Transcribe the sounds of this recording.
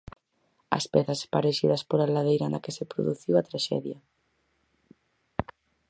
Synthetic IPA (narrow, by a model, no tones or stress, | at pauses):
ɐ̰spɛθɐspaɾeʃiðɐspoɾalaðejɾand̪ɐkesepɾo̰ðuθiwɐt̪ɾaʃɛ̰ðjɐ